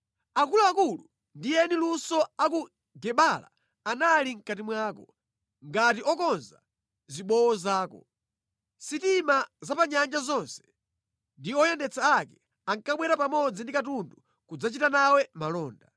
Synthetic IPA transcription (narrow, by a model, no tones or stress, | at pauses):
akuluakulu | ndijɛnilusɔaku | ɡɛɓala̰ː | naliŋ̩katimwaːkɔ | ŋɡatiɔkɔnza̰ | ziɓɔwɔzaːkɔ̰ | sitimazapaɲand͡ʒazɔnsɛ̥ | ndiɔjɛndɛt͡saakɛ | aŋkaɓwɛɾapamɔd͡zindikatundu | kud͡zat͡ʃitanawɛmalɔːnda